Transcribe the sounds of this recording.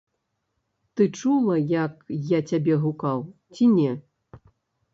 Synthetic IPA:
t̪ɨt͡ʂulˠɐjɐkjat͡sʲabʲɛɦukawt͡sʲinʲɛ

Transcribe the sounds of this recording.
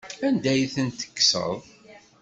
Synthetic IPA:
ænd̪æjθənt̪ə̥kːsə̰ðˤ

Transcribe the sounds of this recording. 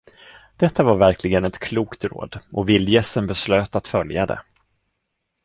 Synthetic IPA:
d̪̥ɛt̪ʰːavaɾvæɾkʰlɪɡənɛt̪kʰluːkt̪ɾo̰ːd̪ʔɔvɪld̪jɛsənbɛsløːt̪at̪fœljad̪ɛ̰

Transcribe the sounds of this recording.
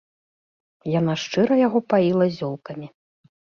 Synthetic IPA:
jan̪aʂt͡ʂɨɾɐjaɣɔpailˠɐzʲɔlˠkɐmʲi

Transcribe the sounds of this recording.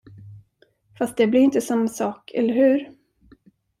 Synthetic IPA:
fast̪̚d̪ɛblɪɾɪnt̪əsamːasɑːkʰɛ̰lːəɾhʉ̟ːɾ

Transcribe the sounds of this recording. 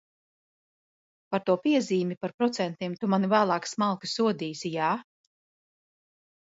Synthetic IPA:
paɾt̪uɔpiɛziːmʲipaɾpɾɔt̪sɛnt̪iɛmt̪umanvæːlˠɑːksmalˠkɨsːuɔd̪iːsijaː

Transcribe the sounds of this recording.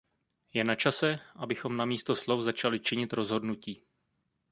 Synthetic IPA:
jɛnat͡ʃasɛʔabɪxo̞mnamiːst̪o̞slo̞fzat͡ʃalɪt͡ʃɪɲɪt̪ɾo̞zɦo̞dnuciː

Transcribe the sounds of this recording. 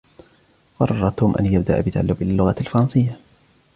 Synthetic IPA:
fɑɾˤɑrˤːɑt̪ʊmʔa̰njab̚d̪a̰ʔbɪt̪aʕalːʊbʔɪlalːʊɣaalfɑɾˤɑnsɪjːa

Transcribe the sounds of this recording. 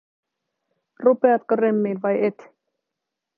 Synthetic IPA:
rupeɑt̪koremːiːlʋɑjet̪

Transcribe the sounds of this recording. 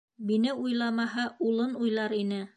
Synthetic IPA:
binɘujlˠɑmɑɦɑulˠɤnujlˠɑɾinɘ

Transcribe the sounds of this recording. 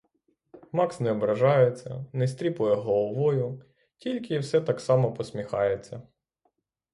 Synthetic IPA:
mɑksnɛɔbɾɐʒɑjet͡sʲːɐ̰nɛsʲt̪ʲɾʲipʊjɛɦɔlˠɔʋɔjʊ | tʲilʲkɪwsɛt̪ɑksɑmɔpɔsʲmʲixɑ̰jet͡sʲːɐ

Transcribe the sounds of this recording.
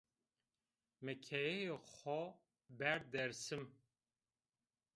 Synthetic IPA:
mɛkʰɛjɛjexɔ | bæɾd̪ɛɾsɨm

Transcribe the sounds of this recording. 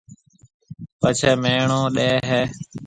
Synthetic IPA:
pət͡ʃʰəːmeːɳõːɗeːɦeː

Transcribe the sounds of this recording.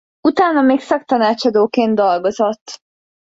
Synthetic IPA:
ut̪aːnɒmeːksɒk̚t̪ɒnaːt͡ʃɒd̪oːkeːnt̪d̪o̞lɡo̞zo̞t̪ː

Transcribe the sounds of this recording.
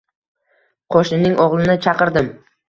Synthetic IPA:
qʰɒʃnɪnɪŋʔɒʁlˠɪnɪt͡ʃʰɑqɨɾd̪ɪm

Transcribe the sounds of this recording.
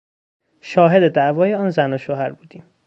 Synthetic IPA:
ʃɒːɦe̞d̪e̞d̪æʔvɒːjeɒːnzænoʃoɦæɾbuːd̪iːm

